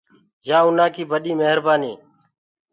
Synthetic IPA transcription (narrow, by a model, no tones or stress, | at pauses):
jãːʊnãːkiːbəɗiːmeɦəɾbaːniː